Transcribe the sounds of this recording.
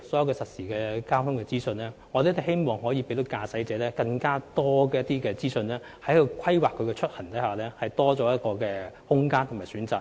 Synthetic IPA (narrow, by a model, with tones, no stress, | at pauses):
sɔː˨˥jɐ˨wkɛː˧sɐ˨t̚siː˨˩kɛː˧kaː˥t̪ʰʊ˥ŋkɛː˧t͡siː˥sɵ˧nlɛː˥ŋɔː˨˧t̪e˨˥t̪ɐ˨˩he˥jmɔː˨ŋhɔː˨˥jiː˨˧pe˨˧˥t̪o˧˥kaː˧sɐ˨˥jt͡sɛː˨˥lɛː˥kɐ˧ŋkaː˥t̪ɔː˥kɛː˨˧jɐ˥t̪ːiː˥kɛː˧t͡siː˥sɵ˧nlɛː˥ | hɐ˨˥jkɵ˨˧kʷʰɐ˥jwaː˨kʰːɵ˨˧kɛː˧t͡ʃʰɵ˥t̚hɐ˨˩ŋt̪ɐ˨˥jhaː˨˩lɛː˥hɐ˨jt̪ɔː˥t͡sɔː˨˥jɐ˥t̚kɔː˧kɛː˧hʊ˥ŋkaː˥nt̪ʰʊ˨˩maː˨˩syː˨˥nt͡saː˨